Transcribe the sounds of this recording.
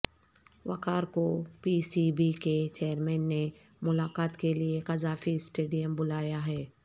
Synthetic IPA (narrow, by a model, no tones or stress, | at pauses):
wɐ̰kaːɾkopiːsibiket͡ʃeːəɾmɛːnːe | mʊlaːkaːt̪keliekɐzaːfisʈeːɖijəmbʊlaːjaɦɛː